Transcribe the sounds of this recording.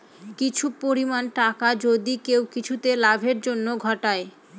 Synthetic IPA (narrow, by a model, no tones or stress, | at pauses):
kit͡ɕʰupoɾimanʈakad͡ʑod̪ikewkit͡ɕʰut̪elabʱeɾd͡ʑonːoɡʱɔʈae